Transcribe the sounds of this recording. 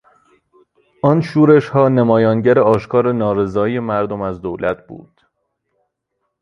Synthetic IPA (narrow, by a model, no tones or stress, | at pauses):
ʔɒːnʃuːɾe̞ʃhɒːnemɒːjɒːnɟæɾeɒːʃkʰɒːɾenɒːɾe̞zɒːijemæɾd̪omæzd̪oːwlæt̪̚ʰb̥ṵːd̪̥